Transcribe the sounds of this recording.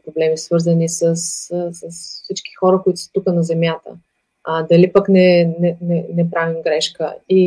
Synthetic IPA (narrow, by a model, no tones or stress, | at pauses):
pɾoblɛmisvɤɾzənisəssəsfsit͡ʃk̟i̥xɔɾəkoit̪ʊ̥sə̥t̪ukənɐzɛmjat̪ə̰ | ad̪ɐlipəknɛnɛnɛnɛpɾavimɡɾɛʃkə̰i